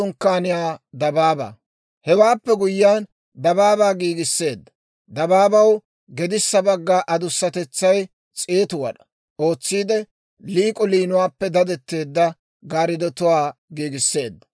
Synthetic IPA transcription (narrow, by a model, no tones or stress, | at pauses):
ʊŋkːaːnɪjaːd̪ɐbaːba̰ː | hɛwaːpːɛɡʊjːaːn | d̪ɐbaːbaːɡiːɡɪsːe̞ːd̪ːɐ̥ | d̪ɐbaːbɐw | ɡɛd̪ɪsːɐbɐɡːaːʔɐd̪ʊsːɐt̪ɛt͡sːɐj | t͡sʼeːt̪ʊwɐ̰ɗɐ̥ | o̞ːt͡sːiːd̪ɛ | liːkʼɔliːnʊwaːpːɛd̪ɐd̪ɛt̪ːe̞ːd̪ːɐ | ɡaːɾɪd̪ɔt̪ʊwaːɡiːɡɪsːe̞ːd̪ːɐ̥